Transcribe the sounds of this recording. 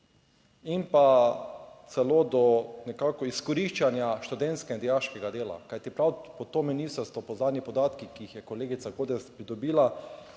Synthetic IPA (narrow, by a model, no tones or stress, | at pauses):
impa | t̪sɛloːd̪ɔnɛkaːkɔiskɔɾiʃt͡ʃanjaʃt̪ud̪ɛnt̪skɛnd̪ijaʃkɛɡad̪eːla̰kajt̪ipɾawpɔt̪oːminist̪əɾst̪ʋɔpɔznaːd̪nʲipɔd̪aːt̪kikiixjɛkoleːɡit̪saɡoːd̪ɛspɾid̪ɔbiːla